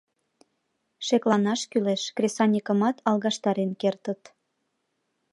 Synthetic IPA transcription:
ʃeklɑnɑʃkyleʃkrʲesɑnʲikə̆mɑt̪ɑlˠɣɑʃt̪ɑɾenkert̪ət̪

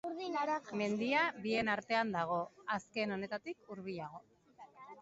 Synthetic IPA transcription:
ðme̞nd̪iaβie̞naɾt̪e̞and̪aɣ̞o̞aske̞no̞ne̞t̪at̪ikuɾβiʎaɣo̞

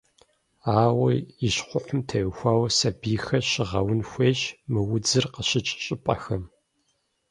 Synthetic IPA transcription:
aːwɐɪɕχʷʊħʷʊmtʰɐjʊxʷaːwɐsɐbiːxɐɕɪʁɐwʊnxʷeːɕmɨwʊd͡zɨrqəɕɪt͡ʃʼɕʼɪpʼɐ̰xɐm

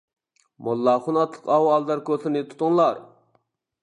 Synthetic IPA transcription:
mɑlˠːɑχunɑt̪ʰlˠəqɑwɑlˠd̪ɑɾkʰosɨnɪt̪ʰu̥t̪ʊŋlˠɑɾ

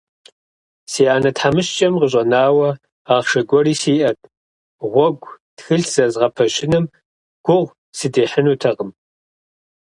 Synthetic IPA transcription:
siːaːnɐtħamɨʃt͡ʃʼɐmqəɕ̬ʷʼɐnaːwɐ | aːχʃɐɡʷɔriːsiːʔɐt̚ʰʼ | ʁʷɔɡʷtxɨɬz̥ɐzʁɐpʰɐʃɪnɨm | ɡ̥ʷʊʁʷ | sɨdeːħənuːtʰɐqəm

